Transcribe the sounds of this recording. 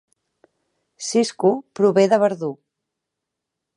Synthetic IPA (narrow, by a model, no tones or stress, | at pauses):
siskupɾuβeðəβəɾðu